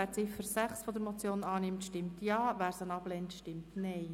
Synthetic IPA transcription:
æːɾt͡sɪfəɾsæχsfɔd̪əɾmɔt͡sjoːnɑːnɪmtʃtɪmtjɑːʋæːɾsənɑblɛntʃtɪmtnɛɪ

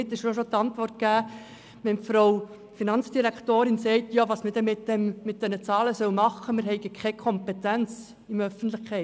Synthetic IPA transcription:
ɪt̪ɪʃʃoʃot̪ɑntʋɔrt̚kæː | mɛntfɾoʊ | finɑnt͡sd̥iɾækʰtoːɾɪnsɛɪtjɑʋɑːsməd̥ɛmɪtdɛmːɪt̪̚d̥ɛnət͡sɑːləsœwmɑχːəmɪɾɦɛɪɡəkʰχɛɪkʰɔmpɛtænt͡s | ɪmœfən̩tlɪχkʰɛɪ

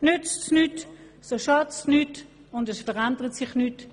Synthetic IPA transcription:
nʏt͡stnyt | soʃɑt͡snyt | ʊndɛsfəʁandəʁətsɪχnyːt

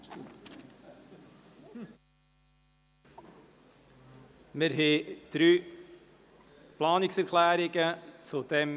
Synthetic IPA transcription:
meɾɦeːt̪ɾyː | plɑːnɪksæɾkʰlæːɾɪɡət͡sod̪ɛm

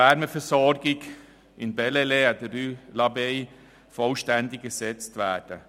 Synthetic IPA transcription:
ɛɾməfəsɔɾɡɪɡ | ɪnbɛleleɛdəɾylɑbei | fɔlʃtændɪɡ̚ɡ̥əsɛt͡stʋæːd̥ə

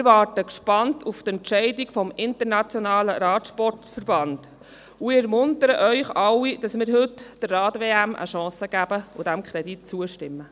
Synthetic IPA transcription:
mɪɾʋɑːɾtəkʃpɑntʰuftɛntt͡ʃɛɪdikfɔmɪntəɾnɑt͡sjɔnɑːləɾɑːt̪ʃpɔrtfərb̥ɑnd̥ | uɛɾmʊntəɾəʔœʏχɑwːid̥ɑsmɪːɾɦɵtd̥ərːɑːtʋeːæmʔə̰ʃɑ̃ːsəɡ̥æb̥əṵd̥æmkʰɾɛdit̚t͡suəʃtɪmːə

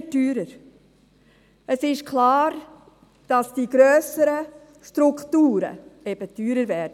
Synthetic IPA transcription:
tyːɾəɾ | əsɪʃkʰlɑːɾ | d̥ɑsd̥iɡɾœːsəɾə | ʃtɾʊkχtuːɾə̰ɛb̥ətyːɾəɾvɛːɾd

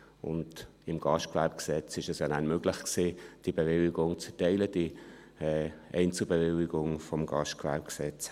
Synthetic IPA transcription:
ʊ̰nd̥ | ɪmɡ̥ɑʃtkvɛɾp̚ksɛt͡sɪʃɛsjɑnanmøɡ̥lɪχksiːd̥ibevɪlɪɡʊŋt͡sfɛtɛɪləd̥i | ɛʔɛɪnt͡səbevɪlɪɡʊŋfɔmɡɑʃtkvɛɾpksɛt͡s

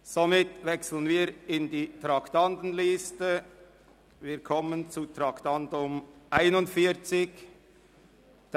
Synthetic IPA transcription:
somɪtvɛksl̩ənviːɾɪndiːtɾɑktɑntn̩lɪstə | viːkʰɔmənt͡sutɾɑktɑntʊmʔaɪnʊntfiːt͡sɪç

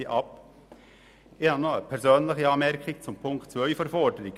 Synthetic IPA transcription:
iʔɑp | ɪhɑnoəpʰɛɾzøːnləxəɑːmɛɾkʰɪɡ̚t͡sʊmpʰʊŋktt͡sʋœʏfɔɾfɔdəɾɪɡ

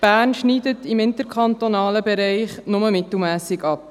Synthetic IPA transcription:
b̥æːrnʃniːdətɪmɪnt̪əɾkʰɑntonɑːləbɛɾɛɪχnʊməmɪt̪l̩ˠmæːsɪɡɑp̚

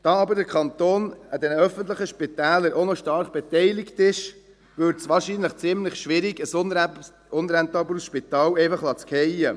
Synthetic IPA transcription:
d̪̥ɑɑbəɾdəɾkʰɑnt̪oːnəd̪ɛnəœfəntləχəʃpitæːləɾʔonɔʃtɑɾχb̥ɛt̪ɛɪlɪktɪʃ | ʋʏɾtsʋɑːɾʃiːnləχt͡sɪmləχʃʋɪɾiɡəs | ʊnɾɛnt̪ɑbəɾsʃpit̪ɑːlɛɪfɑχlɑt͡skʰhɛjə

